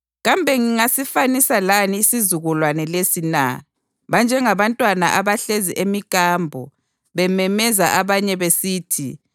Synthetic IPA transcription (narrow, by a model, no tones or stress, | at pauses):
ɣambʱɛŋiŋasifanisalaniːsizuɣulwanɛlesina̰ | βand͡ʒʱɛŋaβantʼwana̰ʔaβaɬeziʔemikʼaːmbʱɔ̰ | βɛmɛmɛzaʔaβaɲɛβesiːtʰḭ